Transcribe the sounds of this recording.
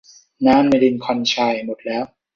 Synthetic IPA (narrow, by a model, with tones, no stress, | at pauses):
naː˦˥mna˧jdi˧nkʰɔ˧nt͡ɕʰaː˧˩jmo˨˩t̪̚lɛː˦˥w